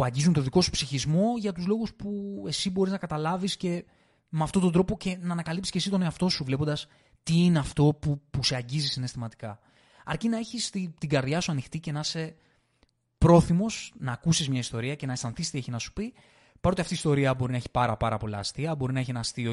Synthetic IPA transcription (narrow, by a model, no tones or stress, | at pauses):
ɐɲɟizunt̪oðiko̞su̥psiçizmo̞ʝɐt̪uzlo̞ɣuspue̞sibo̞ɾiznɐkɐt̪ɐlɐvisce̞ | meɐft̪ot̪ond̪ɾo̞po̞ce̞nɐːnɐkɐlipsi̥scesit̪o̞ne̞ɐft̪o̞suvle̞pod̪ɐs | t̪iineɐft̪o̞pupuseɐɲɟizisine̞st̪imɐt̪i̥kɐ | ɐ̰ɾcinɐeçist̪it̪iɡɐɾðʝɐsuɐnixt̪ice̞nɐse̞ | pɾo̞θimo̞snɐːkusizmɲɐist̪o̞ɾiɐce̞nɐest̪ɐnθist̪ieçinɐsu̥pi | pɐɾo̞t̪iɐft̪ist̪o̞ɾiɐbo̞ɾinɐeçi̥pɐɾɐpɐɾɐ̰po̞lɐ̰ːst̪iɐbo̞ɾinɐeçenɐst̪io